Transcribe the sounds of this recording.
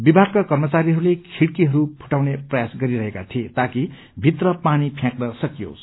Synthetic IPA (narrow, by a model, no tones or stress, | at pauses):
bibʱaɡkakʌrmʌt͡saɾiɦʌɾulekʰiɽkiɦʌɾupʰu̥ʈawneprʌjasɡʌɾiɾʌɦeka̰t̪ʰiet̪aki | bʱit̪rʌpanipʰjãknʌsʌkjo̰s